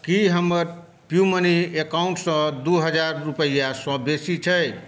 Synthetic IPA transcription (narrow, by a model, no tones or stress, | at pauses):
kiɦəməɾ | pjuməniekaũɳʈsʌ̃d̪uɦəd͡ʒaɾːupəjasə̃besit͡ʃʰəj